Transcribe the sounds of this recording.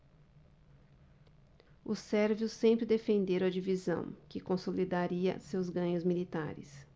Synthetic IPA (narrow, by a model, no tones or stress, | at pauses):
ʊsɛɾvjʊsẽmpɾɪd̪efẽnd̪eɾɐd͡ʒivizɐ̰̃w̃kɪkõsolid̪aɾiɐ̰sewzɡɐ̃ɲʊzmilit̪a̰ɾɪ̰s